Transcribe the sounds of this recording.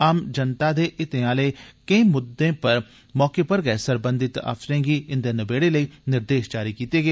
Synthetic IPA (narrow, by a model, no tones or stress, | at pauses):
aːmd͡ʒənt̪aːd̪eːʔɪt̪eãːleːkə̃ĩːmʊd̪ːẽːpəɾ | mɔːkeːpəɾɡəesəɾbə̃nd̪ɪt̪a̰ːfsɾẽːɡiːɪnd̪eːnəbeːɽeːləiːnɪɾd̪eːʃd͡ʒaːɾiːkiːt̪eːɡeː